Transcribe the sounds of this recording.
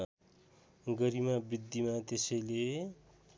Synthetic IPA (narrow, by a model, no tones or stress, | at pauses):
ɡʌɾimabid̪ʱːimat̪esʌjle